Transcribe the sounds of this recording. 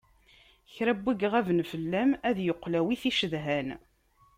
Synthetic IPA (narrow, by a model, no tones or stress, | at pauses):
çɾæbːiɡʁævnfəlːæmæðjoqːlæwiθiʃəðɦæn